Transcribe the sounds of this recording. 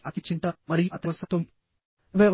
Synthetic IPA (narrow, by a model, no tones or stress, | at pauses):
ɐt̪it͡ʃiɳʈɐmɐɾijuɐt̪ɐʋɐsɐt̪ɐm | ʋeʋ